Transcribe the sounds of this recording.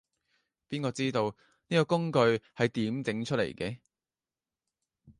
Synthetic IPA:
piː˥nkɔː˧t͡siː˥t̪o˧w | niː˥kɔː˧kʊ˥ŋkɵ˧ɥhɐ˨jt̪iː˨˥mt͡sɪ˨˥ŋt͡ʃʰɵ˥t̚lḛ˨˩jkɛː˧

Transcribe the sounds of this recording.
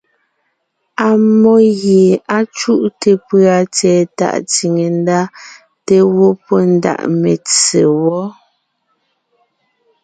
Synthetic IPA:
a˨mɔ˦ɣje˨a˦t͡ʃu˦ʔte˨pɰa˨t͡sɛː˨ta̰˦˨ʔt͡si˨ŋe˨n˦da˦ | te˦wo˦pɔ˦n˦da̰˨ʔme˨t͡se˨wɔ˦

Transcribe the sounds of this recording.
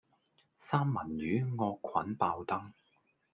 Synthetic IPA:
saː˥mːɐ˨˩nɥyː˨˥ŋɔː˧kʷʰwɐ˨˥npaː˧wt̪ɐ˥ŋ

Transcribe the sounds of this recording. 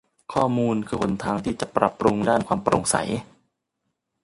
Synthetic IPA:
kʰɔː˥˩muː˧nkʰɯː˧pʰo˨˩˦nt̪ʰaː˧ŋt̪ʰiː˥˩t͡ɕa˨˩pɾa˨˩pːɾu˧ŋdaː˥˩nkʰwaː˧mpɾo̰˧ŋsa̰˩˦j

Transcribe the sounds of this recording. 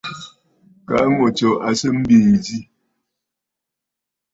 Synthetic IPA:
ka˨˦ŋo˨t͡ʃɔ˨ʔa˨sə˦m̩˦beː˨di˦

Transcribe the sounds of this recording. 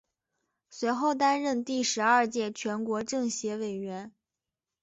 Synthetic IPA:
swe˧˥ɪxo˥˩ʊt̪a˥nɻə˥˧nt̪i˥˩ʂɻ̩˧˥ɐ˞˥˧t͡ɕjɛ˥˩t͡ɕʰɥɛ˧˥nkwɔ˧˥ʈ͡ʂɤ˥˩ŋɕjɛ˧˥we˨˩ɪɥɛ˧˥n

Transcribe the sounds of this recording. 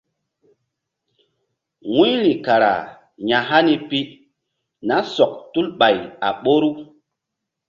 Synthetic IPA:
wi˦ɾi˨ka˨ɾa̰˨ | ɲa˨ɦa˦ni˦pi˦ | na˨˦sɔ˨k̚tu˦lɓa˨ja̰˨ɓo˦ɾu˦

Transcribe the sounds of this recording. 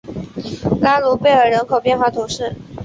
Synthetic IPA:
la˥lu˧˥pe˥˩ɪə˞˨˩ɻə˧˥nkʰo˨˩ʊpjɛ˥˧nxwa˥˩t̪ʰʊ˧˥ŋʂɻ̩˥˩

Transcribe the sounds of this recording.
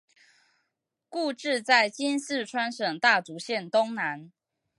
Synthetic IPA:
ku˥˧ʈ͡ʂɻ̩˥˧t͡sa˥˩ɪt͡ɕi˦ns̩˥˨ʈ͡ʂʰwa˥nʂɤ˨˩ŋt̪a˥˩t͡su˨˦ɕjɛ˥˨nt̪o˥˦ŋna˦n

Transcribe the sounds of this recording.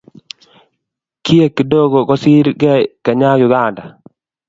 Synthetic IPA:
ki˦e˦kːi˨do˦ɡo˨ɡɔ˦si˦ɾɡɛ˦˨kɛ˨ɲa˦ɡjʊ˨ɡa˦˨nda˨

